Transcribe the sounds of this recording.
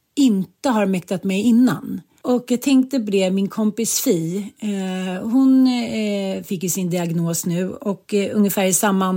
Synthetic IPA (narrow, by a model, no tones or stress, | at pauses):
ɪnt̪əɦaɾmɛkt̪at̪mɛjɪnːa̰n | ɔkjaɡ̚t̪ʰɛŋk̚t̪əbleːvmɪnkʰɔmpɪsfiː | hʊn | fɪkːjɵsɪnd̪ɪaɡnoːsnʉ̟ːɔkɵŋjəfæːɾɪsamːa